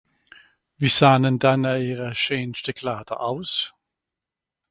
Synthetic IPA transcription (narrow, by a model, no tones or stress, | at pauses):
viːsaːnɛndanaiːʁəʃeːnʃtɛkʰlaːdɐ̰ʔaʊs